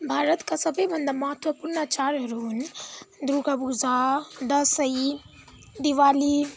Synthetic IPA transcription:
bʱaːɾət̪kasɐbəjbʱɐnd̪amɐɦət̪wəpuɾɳat͡ʃaːɾɾuɦund̪ɾuɡabuzad̪ɐsəji | d̪iʋaːli

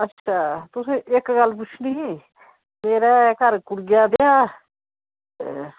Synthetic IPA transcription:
ətːʃʰaːt̪ʊsẽːʔɪkɡəlːp̬ʊt͡ʃʰniːɦɛ̃ː | meːɾɛːkəɾkʊɽɡɪjaːd̪ejaː

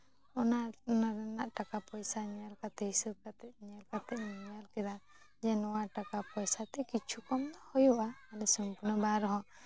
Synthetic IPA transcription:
ɔnanaɾɛnaʔʈakapɔjsaɲalkat̪ɛhisub̚kat̪ɛt̪̚ɲalkat̪ɛʔ̚ɲalkɛɾa | d͡ʒɛnɔwaʈakapɔjsat̪ɛkit͡ʃʰukɔmd̪ɔhɔjuʔaalɛsɔmpuɾnɔbaɾɔɦɔ̃

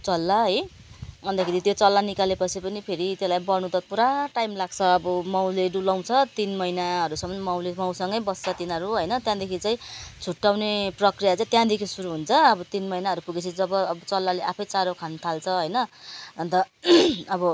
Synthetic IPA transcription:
t͡sʌlːʌɦʌj | ʌnd̪akʰeɾit̪jot͡sʌlːanikalepʌt͡sʰipʌnipʰeɾit̪jelajbʌnũd̪ʌpuɾaʈajmlaɡ̚t͡sʰʌːbʌmaw̃leɖulaw̃t͡sʰʌt̪inmʌinaɦʌɾusʌmːʌnmaw̃lemaw̃sʌŋɡʌjbʌst͡sʰʌt̪inʌɾuɦʌjnʌt̪jãd̪ekʰit͡sãĩt͡sʰuʈːawneprʌkrijat͡saĩt̪jãd̪ekʰisuɾuɦunt͡sʰʌːbʌt̪inmʌjnaɦʌɾupuɡet͡sʰʌd͡zʌbʌːbʌt͡sʌlːaleʔapʰʌjt͡saɾokʰant̪ʰalt͡sʰʌɦʌjnʌʌnt̪ʌʌbʌ

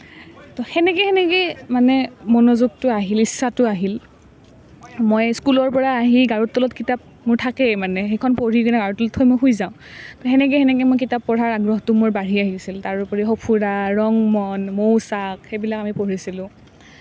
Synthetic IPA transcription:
tɔxɛnɛkɛxɛnɛkɛjmanɛmɔnozuɡ̚tʊaɦilisːatʊaɦil | mojskulɔɹpɔɹaːɦiɡaɹutːɔlɔtkitap̚ | mʊɹtʰakɛmanɛxekʰɔnpoɹikɔnɛɡaɹɔtːɔlɔtxojmojxujzaʊ̃tɔxɛnɛk̬ɛhɛnɛk̬ɛmojk̬itapːɔɹaɹaɡɹɔɦtʊmʊɹbaɹiaɦisiltaɹʊpɔɹixɔpʰuɹaɹɔŋmɔnmowsakxejbilakamipoɹisilʊ̃

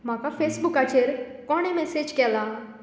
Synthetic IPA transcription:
m̤akafesbukat͡ʃeɾkɔɽ̃emɛsed͡ʑkɛla

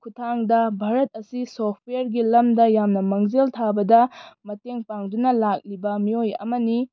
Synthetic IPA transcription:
kʰutʰaŋdɐbʱaɾɐt̚ɐsisopʰejɾɡilɐmdɐjamnɐmɐŋzeltʰabɐdɐmɐteŋpaŋdunɐlak̚libɐmiojɐ̰mɐni

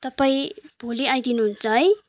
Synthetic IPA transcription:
t̪ʌpaĩb̥ʱoliajd̪inuɦunt͡sʌɦʌj

